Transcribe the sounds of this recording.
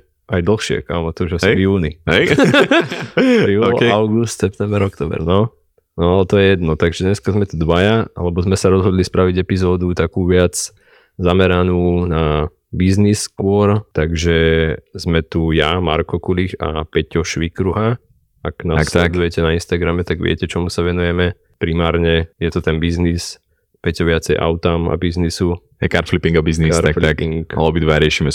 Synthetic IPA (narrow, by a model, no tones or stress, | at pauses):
ajd̪l̩xʃɪɛ̰ka̰mɔt̪ɔʒɛsjuːniɛj | juːlaʊɡust̪sɛp̚t̪ɛmbɛɾɔkt̪ɔːbɛ̰ɾnɔ | nɔt̪ɔjɛjɛd̪nɔt̪aɡʒɛɲɛskazmɛt̪ud̪ʋajaʔa̰lɛbɔzmɛsaɾɔzɦɔd̪lispɾaʋiɟɛpizɔːd̪ut̪akuːʋɪad͡z | zamɛɾanuːna | bizniskʊɔɾt̪aɡʒɛzmɛt̪ujama̰ɾkɔkulixa̰pɛcɔʃʋikɾuɦa | aknast̪ujɛcɛnainst̪aɡɾamɛt̪aɡʋɪɛ̰cɛt͡ʃɔmusaʋɛnujɛmɛ | pɾimaːɾɲɛjɛt̪ɔt̪ɛnbiznis | pɛcɔʋɪat͡sɛjʔa̰ʊt̪ama̰biznisu | ɦɛkaɾt̪flipiŋɡabizniaɾakflakiŋka̰lɔbid̪ʋaɾɪɛʃimɛ